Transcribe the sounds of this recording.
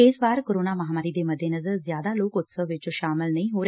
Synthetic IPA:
eːsʋaːɾkoːɾoːnaʋɐɦaːmaːɾid̪eːmɐd̪ʱjenɐzəɾzjaːd̪aloːkʊt̪səʋʋɪt͡ʃʃaːmɪlnɐĩɦoːɾe

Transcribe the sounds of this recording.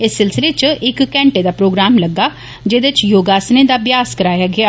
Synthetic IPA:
ɪsːɪlsɪleːt͡ʃʔɪkːɛ̃ːɳʈeːd̪aːpɾoːɡɾaːmləɡːaː | d͡ʒed̪ɪt͡ʃjoːɡaːsnẽːd̪aːbjaːskəɾaːjaːɡɪaː

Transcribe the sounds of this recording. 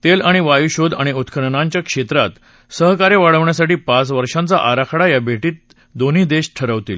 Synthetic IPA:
t̪elaɽ̃iʋajuɕod̪aɽ̃iut̪kʰəɳɳaɲt͡ɕjakʂet̪ɾat̪ | səɦkaɾjeʋaɽəʋɳjasaʈiːpat͡sʋəɾʂant͡sa̰ʔaɾakʰɽajabʱeʈiːt̪̚ | d̪oniːd̪eɕʈʰəɾəʋt̪ḭːl

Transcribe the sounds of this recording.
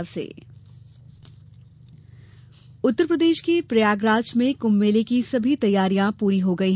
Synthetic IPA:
ɾsḛː | ʊt̪ːəɾpɾɐd̪eːʃkepɾɐjaːɡɾaːt͡ʃmẽkʊmːeːlekisɐbʱit̪ɐjːaːɾijãpuːɾiɦoɡɐiɦ

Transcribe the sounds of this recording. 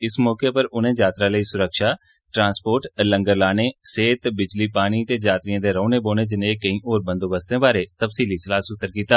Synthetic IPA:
ɪsmɔːkepɐɾʊn̤ẽd͡ʒaːt̪ɾãləisʊɾəkʃaː | ʈɾãːnspoːɾʈlə̃ŋɡəɾlaːneseːt̪bɪd͡ʒlipaːɽ̃it̪eːd͡ʒaːt̪ɾijãːd̪eɾɐ̃ːneboːñed͡ʒɪneːkɐĩʔoːɾbə̃nd̪oːbəst̪ẽbaːɾet̪ɐfsiːlisɪlaːsʊt̪ːəɾkiːt̪aː

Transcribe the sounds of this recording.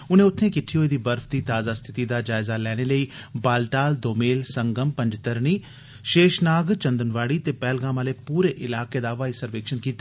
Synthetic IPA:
ʊn̤ẽːʊt̪ʰːẽkɪʈʰːiɦoːid̪iːbɐɾfd̪iːt̪aːzast̪ʰɪ̥t̪id̪ad͡ʒaːɪzalɛːɽ̃eləiːbaːlʈaːld̪oːmeːlsɐ̃ŋɡəmpɐ̃ɲd͡ʒt̪əɾniː | ʃeːʃnaːɡt͡ʃɐ̃nd̪ənʋaːɽit̪epɛːlɡãːmaːlepuːɾeʔɪlaːked̪aːʋaːisəɾʋeːkʃənkiːt̪a

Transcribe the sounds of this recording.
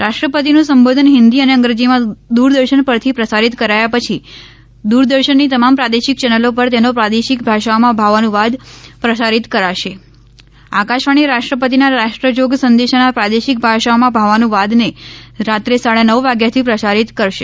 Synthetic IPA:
ɾaʃʈɾəpət̪inũsəmbod̪ʱənɦɪnd̪iəneəŋɡɾəd͡ʒimãd̪uɾd̪əɾʃəɳpəɾt̪ʰipɾəsaɾit̪kəɾajapət͡ʃʰi | d̪uɾd̪əɾʃənːit̪əmampɾad̪eʃik̚t͡ʃɛnəlopəɾt̪enopɾad̪eʃik̚bʱaʃaomãbʱaʋanũʋad̪pɾəsaɾit̪kəɾaʃe | akaʃʋaɽ̃iɾaʃʈɾəpət̪̬inaɾaʃʈɾəd͡ʒoɡsənd̪eʃanapɾad̪eʃik̚bʱaʃaomãbʱaʋanũʋad̪neɾat̪ɾesaɽanəʋʋaɡjat̪ʰipɾəsaɾit̪kəɾʃe

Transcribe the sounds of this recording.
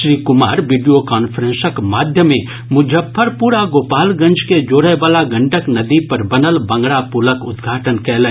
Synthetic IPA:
ʃɾiːkʊmaːɾʋiːɖijokaːnpʰəɾẽnsəkmaːd̪ʱjəmẽ | mʊd͡ʒʱəpʰːɐɾpuːɾaɡoːpaːlɡɐ̃nd͡ʒked͡ʒoːɾəjʋaːlaɡɐ̃ɳʈəknɐd̪ipɐɾbɐnəlbɐ̃ŋɡɽapuləkʊd̪ɡʱaːʈənkɛːlə̃

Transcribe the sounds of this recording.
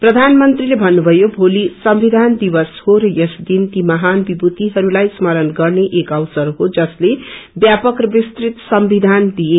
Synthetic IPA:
prʌd̪ʱanmʌnt̪rilebʱʌnːubʱʌjobʱolisʌmbid̪ʱand̪ibʌshoɾʌjʌsd̪int̪imʌɦanbibut̪iɦʌɾulajsmʌɾʌnɡʌrneʔekʌwsʌrɦod͡zʌslebjapʌkrʌbist̪rit̪sʌmbid̪ʱand̪ije

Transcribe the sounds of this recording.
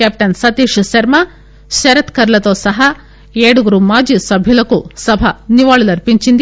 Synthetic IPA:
kep̚ʈɐnsɐt̪iːʃusɐɾmɐ | ʃɐɾɐt̪kɐɾɐlɐt̪oːsɐɦɐ | eːɽuɡɾuːmaːd͡ʒisɐbʱjilɐkːusɐbʱɐniʋaːɭilɐɾpiɲt͡ʃind̪i

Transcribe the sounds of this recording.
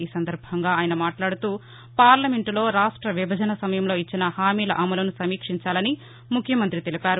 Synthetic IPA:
iːsɐnd̪ɐɾbʱɐŋɡaːjɐnɐmaːʈlaːɽut̪uː | paːɾlɐme̞ɳʈlo̞ːɾaːʂʈɾɐʋibʱɐd͡ʒɐnɐsɐmɐjɐmlo̞ːit͡ʃːinɐhaːmiːlɐ̰ʔɐmɐlɐnusɐmiːkʂiɲt͡ʃaːlɐni | mukʰjɐmɐnt̪ɾit̪e̞lipaːɾu

